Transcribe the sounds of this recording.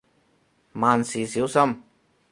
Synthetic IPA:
maː˨nsiː˨˩si˨˥wsɐ˥m

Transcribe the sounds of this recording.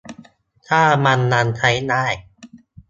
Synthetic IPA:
t̪ʰaː˥˩ma˧nːa˧nt͡ɕʰa˦˥jnaː˥˩j

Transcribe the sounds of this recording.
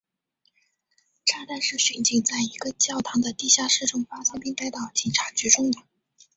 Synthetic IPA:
ʈ͡ʂʰa˥t̪a˥˧nʂɻ̩˥˩ɕy˨˩nt͡ɕi˥˩ŋt͡sa˥˩ɪi˧˥ɡə˧t͡ɕjɑ˥˩ʊt̪ʰɑ˧˥ŋd̪ə˧t̪i˥˧ɕja˥˧ʂɻ̩˥˩ʈ͡ʂʊ˥ŋfa˥sɑ˥ŋpi˥ŋt̪a˥˧ɪt̪ɑ˨˩ʊt͡ɕi˨˩ŋʈ͡ʂʰa˧˥t͡ɕy˧˥ʈ͡ʂʊ˥ŋd̪ə˩

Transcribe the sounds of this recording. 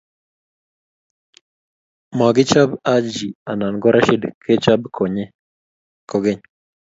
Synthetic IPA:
ma˨ɡɪ˦t͡ʃa˦ba˦d͡ʒi˨a˨na˨nɡɔ˦ɾa˦ʃi˦dkʰe˦t͡ʃa˦bkʰo˨ɲe˦ | ko˨ɡe˦ɲ

